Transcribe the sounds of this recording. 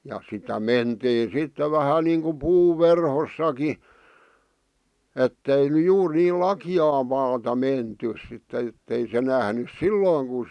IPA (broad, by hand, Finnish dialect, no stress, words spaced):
jɑ sitæ mentiː sitːe ʋæhæ niːŋku puːʋ ʋerhosːɑki etːei ny juːr niːl lɑkiɑː mɑːtɑ mentys sitː etːei se næhnys silːoːŋ ku